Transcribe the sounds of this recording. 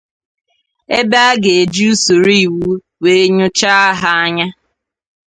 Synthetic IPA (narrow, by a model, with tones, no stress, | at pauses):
e˦ba˦ɡe˨e˨d͡ʒi˦u˦su˨ɾi˦i˨wu˦ | we˨e˦ɲʊ˦t͡ʃa˦a˦ɦa˦a˦ɲa˦